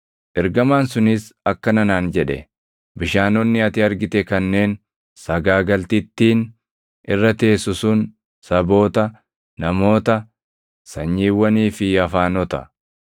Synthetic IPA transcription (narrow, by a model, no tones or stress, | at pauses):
ʔɛɾɡɐmaːnsʊnɪsɐkːɐnɐnaːnd͡ʒɛᶑɛ̰ | bɪʃaːnɔnːɪɐt̪ɪɐɾɡɪt̪ɛkɐnːe̞ːn | sɐɡaːɡɐlt̪ɪt̪ːiːn | ʔɪrːɐt̪e̞ːsʊsʊn | sɐbo̞ːt̪ɐ | nɐmo̞ːt̪ɐ | sɐɲːiːwːɐniːfɪɐfaːnɔt̪ɐ̰